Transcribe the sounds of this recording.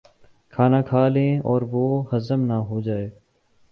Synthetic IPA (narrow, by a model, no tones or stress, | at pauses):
kʰaːnaːkʰaːlẽːɔːɾʋoːɦəzəmnaːɦoːd͡ʒaːeː